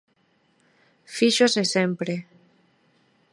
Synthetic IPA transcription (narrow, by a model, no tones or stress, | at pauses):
fiʃozesempɾe